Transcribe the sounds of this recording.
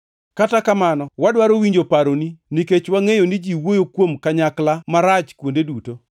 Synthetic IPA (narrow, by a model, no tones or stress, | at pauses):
katakamanɔwadwaɾowiɲd͡ʒopaɾoniniket͡ʃwaŋejonid͡ʒiwojokwomkaɲaklamaɾat͡ʃkwondeduto